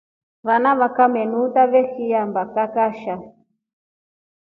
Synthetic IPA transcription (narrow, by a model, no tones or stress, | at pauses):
βanaβakamɛnutaβɛxijambakakaʃa